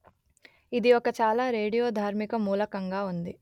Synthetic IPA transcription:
id̪iokɐt͡ʃaːlaːɾe̞ːɽijo̞ːd̪ʱaːɾmikɐmuːlɐkɐŋɡaːund̪i

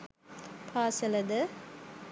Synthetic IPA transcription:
pʰaːsɐlɐd̪ə

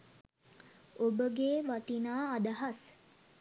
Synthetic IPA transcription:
obəɡeːʋaʈ̪inaːd̪aɦas

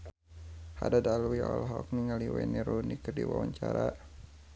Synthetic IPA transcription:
hadadalwiɔlɦɔk̚niŋaliwɛ̰niɾunikərdiwawaɲt͡ʃaɾa

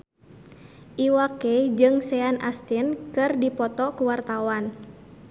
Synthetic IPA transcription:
ʔiwakɛd͡ʒɨŋsɛanʔa̰st̪inkɨrdipɔt̪ɔkuwart̪awan

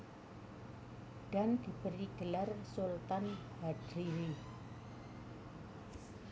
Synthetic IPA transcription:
d̥and̪̥i̤bəɾiɡ̥əlarsult̪anbad̥ɾiɾi

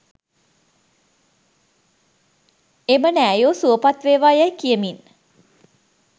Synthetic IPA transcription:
emənæːjosuəpat̪ʋeːʋaːjajkijəmin

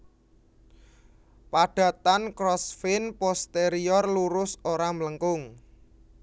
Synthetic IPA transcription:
paɖ̥a̤t̪ankɾɔsfɪnpɔst̪eɾiɔrluɾʊsoɾamləŋkʊŋ

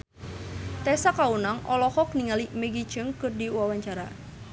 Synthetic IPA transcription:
t̪ɛsakaunaŋʔɔ̰lɔhɔk̚niŋalimeɡi̥d͡ʒɨŋkɨrdiuwawaɲt͡ʃaɾa

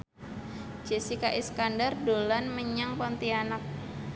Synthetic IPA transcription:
d͡ʒ̥esikaʔiskandardolanməɲaŋpɔnt̪ianak̚

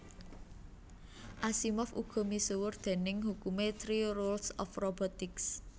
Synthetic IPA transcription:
ʔasimɔfuɡ̥ɔ̤misuwʊrd̪̥e̤nɪŋhukumet̪ɾiɾolsɔfrobɔt̪ɪks

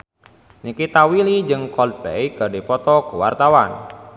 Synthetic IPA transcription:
ɲikit̪awilid͡ʒɨŋkɔl̚pḛjɡaɖepɔt̪ɔkuwa̰rt̪awan

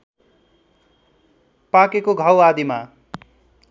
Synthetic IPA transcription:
pakekoɡʱʌwad̪ima

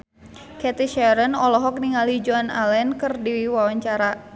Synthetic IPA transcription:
kɛt̪iʃɛɾənɔlɔɦɔk̚niŋalid͡ʒɔna̰lɛnkɨrdiiwawaɲt͡ʃaɾa

